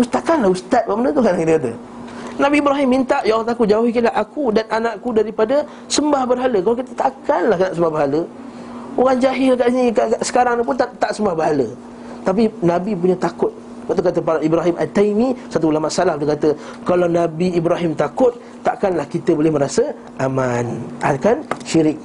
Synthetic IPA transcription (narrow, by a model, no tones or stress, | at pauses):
ust̪akanlahust̪at̪̚baʔməndət̪ukanakit̪əkat̪̬ə̰ | nãbiːbɾaɦimːint̪aʔjaɣaŋt̪akʊt̪̚d͡ʒauɦikilaɦakudananãʔkudaɾipadə | səmbahbərɦaləkalawk̬it̪ət̪akanlahkanaʔsəmbahbəɦalə | oɣaŋd͡ʒaɦɪlakaʔsinĩkaaʔsə̥kaɾaŋnip̬ʊnt̪at̪aʔsəmbahbəɾɦalə | t̪ap̬inãbipuɲat̪akʊt̪̚ | maʔt̪ukat̪əpalaʔibɾaɦimʔa̰t̪ejmĩsat̪̬uːlamaʔsalahudəkat̪əkalawnabiːbɾaɦimt̪akʊt̪̚ːaʔkanlahkit̪əbolɪhməɾasə | ʔamana̰kanʃiɾɪk̚